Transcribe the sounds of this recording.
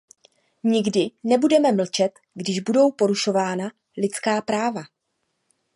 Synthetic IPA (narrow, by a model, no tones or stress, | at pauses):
ɲɪɡdɪnɛbudɛmɛml̩t͡ʃɛt̪ | ɡdɪʒbudo̞wpo̞ɾuʃo̞vaːna | lɪt͡skaːpɾaːva